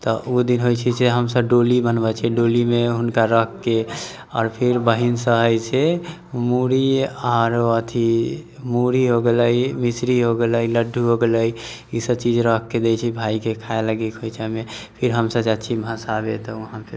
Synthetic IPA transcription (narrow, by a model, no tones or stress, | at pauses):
t̪ɔud̪inɦojt͡ʃʰiseɦəmsəbɖolibənbɛt͡ʃʰɛɖolimeɦunkaɾəkʰkːe | ɔːɾpʰiɾbəɦinsə̃ɦəjt͡ʃʰɛ | muɾiɔɾət̪ʰi | muɾiɦoɡeləimisɾiɦoɡeləjləɖʱːuɦoɡeləj | isəbt͡ʃid͡ʒɾəkʰked̪et͡ʃʰibʱaikekʰaeləɡikɦojt͡ʃʰɛmepʰiɾɦəmsəbd͡ʒat̪t͡ʃʰibʱə̃sabet̪ɔuɦãpʰe